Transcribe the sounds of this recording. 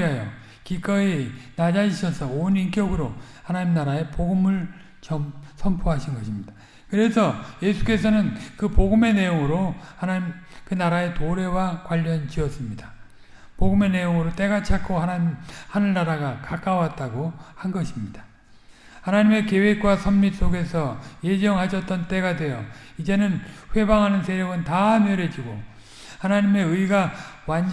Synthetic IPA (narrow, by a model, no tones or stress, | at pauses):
ɦajo | kik͈ʌenad͡ʑaiɕʰʌsʰʌonink͈jʌɡɯɾo | hanaɲimnaɾae̞poɡɯmɯɭ | t͡ɕʌmsʰʌmpʰoɦaɕʰinɡʌɕʰimɲid̥a | kɯɾe̞sʰʌje̞sʰu̥k͈e̞sʰʌnɯnkɯpoɡɯme̞ne̞joŋɯɾohanamkɯnaɾae̞toɾe̞wakwaʎːʌnt͡ɕiʌs͈ɯmɲida | poɡɯme̞ne̞joŋɯɾot͈e̞ɡat͡ɕʰak͈ʰoɦanahanɯɭnaɾaɡakak͈aowat̚t͈aɡohanɡʌɕʰimɲid̥ḁ | hanaɲime̞ke̞we̞k̚k͈wasʰʌmmis͈oɡe̞sʰʌje̞d͡ʑʌŋɦaɕʰʌt̚t͈ʌnt͈e̞ɡadwe̞jʌ | id͡ʑe̞nɯnɸwe̞baŋɦanɯnsʰe̞ɾjoɡɯntamjʌɾed͡ʑiɡo | hanaɲime̞ɯiɡawan